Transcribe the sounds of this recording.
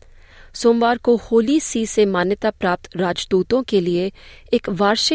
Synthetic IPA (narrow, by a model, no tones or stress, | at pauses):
soːmʋaːɾkohoːlisisemaːnjət̪apɾaːp̚t̪ɾaːd͡ʒd̪uːt̪õkelieɪkʋaːɾʃɪ